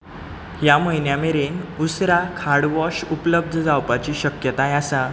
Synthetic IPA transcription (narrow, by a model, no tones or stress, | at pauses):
ɦjaməjnjameɾenusɾakʰaɽʋɔɕupləb̚d̪ʱəd͡zawpat͡ɕiːɕəkjət̪ajasa